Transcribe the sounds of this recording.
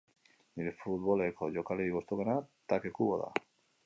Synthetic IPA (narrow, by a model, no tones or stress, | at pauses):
niɾefut̪βolekʰoʝokaleɾiɣost̪oɣenat̪akekuβoða̰